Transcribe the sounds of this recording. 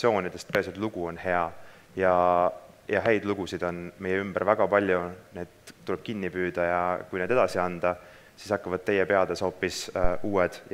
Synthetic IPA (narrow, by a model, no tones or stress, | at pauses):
o̞ːnʲid̪̥e̞st̪̚pesud̪luɡ̥uo̞nhe̞ɑ | jɑ | jɑɦæjd̪luɡ̥usid̪̥o̞nme̞jeymb̥æɾvæɡ̥ɑpɑlʲjune̞ːd̪̥t̪ulɛb̥̚kinːipyːd̪̥ɑjɑkujned̪e̞d̪ɑsiɑnd̪̥ɑ | sisɑkːɑvɑd̥̪̚t̪e̞jepe̞ɑd̪̥eso̞ːpːisuːed̪̥j